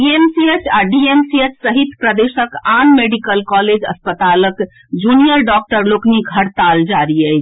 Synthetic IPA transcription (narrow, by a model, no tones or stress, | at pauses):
iemsiet͡ʃʰaɖiemsiet͡ʃʰsəɦit̪pɾəd̪esəkanmeɖikəlkɔled͡ʒə̰spət̪alək | d͡ʒunijəɾɖɔk̚ʈəɾlokniɡʱəɽt̪ald͡ʒaɾiət͡ʃʰ